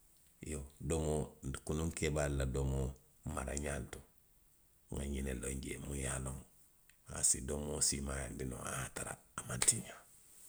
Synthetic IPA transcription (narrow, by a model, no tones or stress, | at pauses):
jodomokunuŋkebaliladomo | maɾa̰ɲantu̥ | ŋa̰ɲineloɲɟemujaloŋ | a̰sidomosimajanbinõ̰ataɾa̰ːmantiɲa